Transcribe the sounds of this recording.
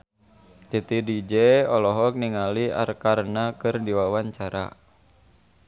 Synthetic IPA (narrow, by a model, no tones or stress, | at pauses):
t̪it̪idid͡ʒɛɔlɔɦɔk̚niŋalia̰rkarnakɨrdiwawaɲt͡ʃaɾa̰